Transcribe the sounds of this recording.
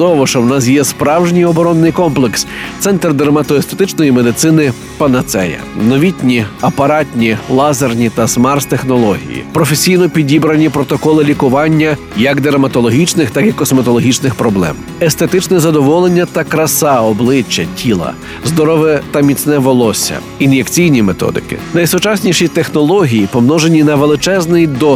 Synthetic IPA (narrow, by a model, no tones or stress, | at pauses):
d̪ɔʋɔʃt͡ʃɔwnɑs̬jɛspɾɑwʒnʲijɔbɔɾɔnːɪjkɔmplˠekst̪sɛnt̪rd̪eɾmɐt̪ɔest̪et̪ɪt͡ʃnɔjime̞d̪ɪt̪sɪnɪ | pɐnɐt̪sɛ̰jɐ̰nɔʋʲitʲnʲiɐpɐɾɑtʲnʲilˠɑzɐrnʲit̪ɐsmɑrst̪exnɔlˠɔɦʲḭjḭpɾɔfesʲijnɔpʲidʲibɾɐnʲipɾɔt̪ɔkɔlˠɪlʲikʊʋɑnʲːɐ | jɐkd̪eɾɐmɐt̪ɔlˠɔɦʲit͡ʃnɪxt̪ɑkikːɔsmɐt̪ɔlˠɔɦʲit͡ʃnɪxpɾɔblˠɛ̰m | est̪et̪ɪt͡ʃnɛzɐd̪ɔʋɔlˠenʲːɐt̪ɐkɾɐsɑɔblˠɪt͡ʃːɐtʲʰilˠɐ̰ | zd̪ɔɾɔʋɛt̪ɐmʲit͡sʲnɛʋɔlˠɔsʲɐ̰ | injekt͡sʲijnʲimet̪ɔ̰d̪ɪ̰kɪ̰nɐjsʊt͡ʃɑsʲnʲiʃit̪exnɔlˠɔɦʲijipɔmnɔʒe̞nʲinɐʋelˠɪt͡ʃɛznɪjd̪ɔ